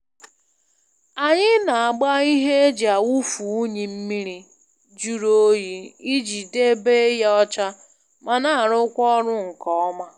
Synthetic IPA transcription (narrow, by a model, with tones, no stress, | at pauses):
a˨ɲɪ˦na˨a˨ɡ͡ba˦i˦ɦe˦d͡ʒa˨wu˦fu˨˦ɲi˨m̩˦mi˦ɾi˦ | d͡ʒu˦ɾo˦o˦ji˦i˦d͡ʒi˨de˦be˦ja˦ɔ˦t͡ʃa˦ | ma˨na˨a˨ɾʊ˦kʷɔ˦ɾʊ˦ŋ̩˨kɔ˨ɔ˦ma˦